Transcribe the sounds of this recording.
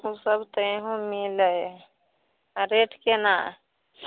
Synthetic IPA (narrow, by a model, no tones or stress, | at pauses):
usəbt̪əeɦõmilə | ɾeʈʰkena